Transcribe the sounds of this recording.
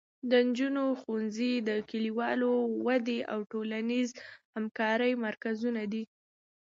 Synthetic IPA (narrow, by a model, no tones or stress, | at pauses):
d̪ənd͡ʒunoxunzid̪əkiliwɑlowad̪eʔa̰wʈolanizhamkɑɾəjmaɾkazunad̪i